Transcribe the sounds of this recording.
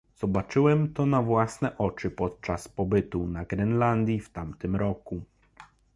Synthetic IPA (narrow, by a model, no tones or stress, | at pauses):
z̥ɔbat͡ʂɘwɛmt̪ɔnavwasnɛʔɔt͡ʂɘpɔt̪̚t͡ʂaspɔbɘt̪unaɡɾɛnland̪ʲjift̪amt̪ɘmɾɔku